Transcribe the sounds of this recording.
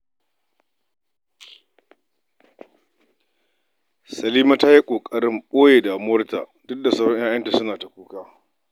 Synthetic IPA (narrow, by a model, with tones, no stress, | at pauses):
sɐ˨liː˦ma˦ta˦ji˦kʷʼoː˨kʼɐ˦ɽɪ˦mɓoː˦jeː˨daː˨mʊ˦wɐ˦rta̰˨dʊ˦k̚da˨sa˦wɽɔ˦ɲjaː˦jɐ˦nta˨sʊ˦naː˨ta˨kʷuː˦kaː˦